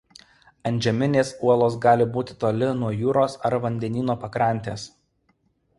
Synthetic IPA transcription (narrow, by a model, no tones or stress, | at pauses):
ɐnʲˑd͡ʒʲɛmʲɪnʲeːsuɔlˠoːs̬ɡɑːlʲɪbuːt̪ʲɪt̪oːlʲɪnuɔjuːɾoːsɐɾʋɐnʲd̪ʲɛnʲiːnoːpɐkɾɐˑnʲt̪ʲeːs